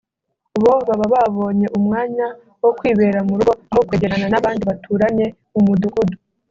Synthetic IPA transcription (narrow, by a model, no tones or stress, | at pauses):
uβo̞βaβaβaβo̞ːɲe̞ʔumŋaːɲa | wo̞kwiːβe̞ːɾamuɾuɡoaɦokweːɟeɾananaβaːndiβatʰuːɾaɲe̞ | umuduɡudu